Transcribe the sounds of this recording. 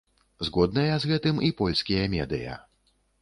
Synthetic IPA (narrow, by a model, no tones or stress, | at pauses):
zɣɔd̪nɐjɐzɣɛt̪ɨmipɔlʲsʲkʲijɐmʲɛ̰d̪ɨ̰jɐ̰